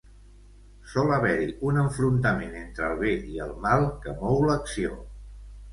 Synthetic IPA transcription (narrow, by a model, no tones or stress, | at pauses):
sɔləβɛɾiʔunəɱfɾunt̪əmenent̪ɾəlˠβeiəlˠmalˠkəmɔwləksio